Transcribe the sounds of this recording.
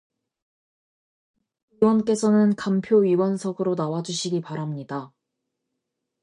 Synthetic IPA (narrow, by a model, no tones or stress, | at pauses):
iwʌnk͈e̞sʰʌnɯnkampʰjoɥiwʌnsʰʌɡɯɾonawad͡ʑuɕʰiɡipaɾamɲida